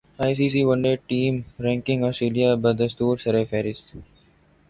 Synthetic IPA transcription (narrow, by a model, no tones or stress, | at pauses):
aɪsiːsiːʋʌ̃ɳɖeːɖ̚ʈĩːmɾɛ̃ːŋkɪ̃ŋɡɔːsʈɾeːliabad̪əst̪uːɾsəɾefeːɾɪs